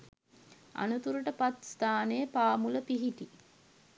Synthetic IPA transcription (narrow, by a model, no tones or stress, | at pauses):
a̰nut̪uɾuʈəpat̪st̪aːnejəpaːmuləpiɦiʈi